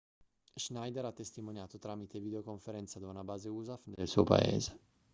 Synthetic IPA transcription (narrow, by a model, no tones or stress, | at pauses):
ʒnajd̪eɾat̪ːest̪imonjaːt̪ot̪ɾaːmit̪evid̪eokoɱfeɾɛnt̪sad̪aunabaːzeuːzafnelsuopa̰ḛːze